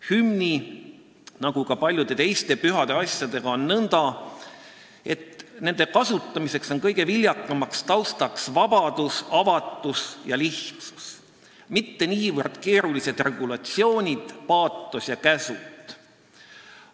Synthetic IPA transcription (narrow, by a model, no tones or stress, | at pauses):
hymnʲi | nɑɡ̥ukɑpɑlʲjud̪̥e̞t̪e̞jst̪e̞pyɦɑd̪̥e̞ɑsʲjɑd̪̥e̞ɡ̥ɑo̞nːɤnd̪̥ɑ | e̞t̪ne̞nd̪̥e̞kɑsut̪ːˑɑmise̞kso̞nkɤjɡ̥e̞vilʲjɑkːˑɑmɑkst̪ɑwst̪ɑksvɑb̥ɑd̪̥usɑvɑt̪ːˑusjɑliht̪su̥s | mit̪ːe̞niːvɤrd̪̥ke̞ːɾulise̞d̪̥re̞ɡ̥ulɑt̪sio̞ːnʲid̪̥pɑːt̪ːˑosjɑkæsut̪ːˑ